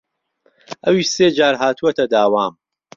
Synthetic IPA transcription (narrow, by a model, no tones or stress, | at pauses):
ʔɐwiːʃseːd͡ʒaːɾɦaːt̪ʰuɐt̪ʰɐd̪aːwaːm